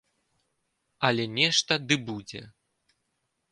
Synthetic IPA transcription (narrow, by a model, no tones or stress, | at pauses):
ɐlʲɛnʲɛʂt̪ɐd̪ɨbud͡zʲɛ̰